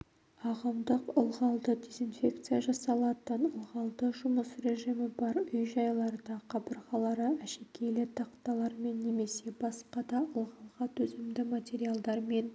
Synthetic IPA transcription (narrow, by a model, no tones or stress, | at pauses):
ɑʁəmd̪əqəlˠʁɑlˠd̪əd̪ʲe̞zinfʲe̞k̚t̪sɨjaʒɑsɑlˠɑt̪ənəlˠʁɑlˠd̪əʒʊməsre̞ʒimɪbɑɾʏjʒɑjlˠɑɾəd̪ɑqʰɑbəɾʁɑlˠɑɾəæʃekʲʰe̞jlɪt̪ʰɑqt̪ɑlˠɑɾme̞nːe̞me̞se̞bɑsqɑd̪ɑəlˠʁɑlˠʁɑt̪ʰɵzɪmd̪ɪmat̪ʲe̞ɾialˠd̪ɑɾme̞n